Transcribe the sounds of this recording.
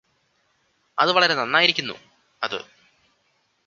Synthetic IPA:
ɐ̰ðɨʋɐɭɐɾe̞nɐnːaːjiɾikʲːunːṵ | ɐðɨ̰

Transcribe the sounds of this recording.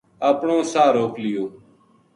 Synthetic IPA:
əːpɳõːsaːɾoːklɪjoː

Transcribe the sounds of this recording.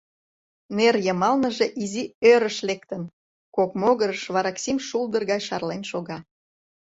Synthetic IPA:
nerjəmɑlnəʒeʔiziøɾəʃlek̚t̪ən | kokmoɣəɾəʃβɑɾɑksimʃulˠd̪ərɣɑjʃɑrlenʃoɣɑ

